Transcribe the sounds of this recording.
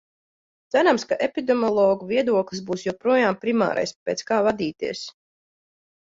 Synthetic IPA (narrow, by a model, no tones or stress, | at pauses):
d̪zæɾamskaʔepʲid̪ɛmɔlˠɔːɡuviɛd̪uɔklˠs̬buːsjɔpɾuɔjaːmpɾima̰ːɾa̰jspʲɛːt̪skaːvad̪iːt̪iɛs